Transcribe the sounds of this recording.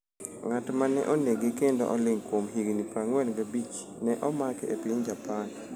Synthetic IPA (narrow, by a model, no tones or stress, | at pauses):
ŋatmanɛ̰ʔoneɡekendo̰ʔɔlɪŋkwomɦiɡnipɾaŋwɛlɡabit͡ʃ | nɛʔɔmakepɪɲd͡ʒapan